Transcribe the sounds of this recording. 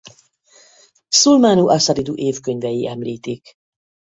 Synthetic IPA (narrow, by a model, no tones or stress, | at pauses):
sulmaːnuʔɒsɒɾid̪uʔeːfkøɲvɛjiʔɛmliːt̪ik